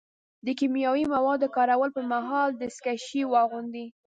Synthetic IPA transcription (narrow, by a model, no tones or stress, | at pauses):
d̪əkimjɑwimawɑd̪ːəkɑɾawəlpəɾmaɦɑld̪əskaʃiwɑɣund̪i